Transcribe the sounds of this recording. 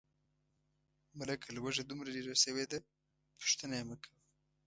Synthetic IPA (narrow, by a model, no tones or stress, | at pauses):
malakʰalwaʒad̪umɾaliɾasəwed̪a | pʊ̥ʃt̪ənajeməkʰawi